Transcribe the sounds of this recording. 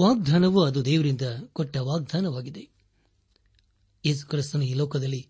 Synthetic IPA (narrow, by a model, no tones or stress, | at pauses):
ʋaːɡ̚d̪ʱaːnɐʋuɐd̪ud̪ɛːʋɐɾind̪ɐkɔʈːɐʋaːɡ̚d̪ʱaːnɐʋaːɡid̪e̞ | je̞ːs̬u̥kɾist̪unuiːlɔːkɐd̪ɐlːi